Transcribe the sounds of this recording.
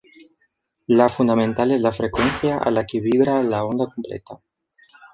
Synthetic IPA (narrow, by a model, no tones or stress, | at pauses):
lafund̪amẽnt̪alezlafɾekwenθjaʔa̰lakeβiβɾalao̞nd̪akomplḛt̪a